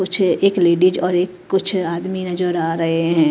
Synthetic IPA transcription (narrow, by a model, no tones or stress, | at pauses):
kʊt͡ʃʰeːkleːɖiːd͡ʒɔːɾeːkːʊt͡ʃʰaːd̪minɐd͡ʒəɾaːɾɐɦeɦɛ̃ː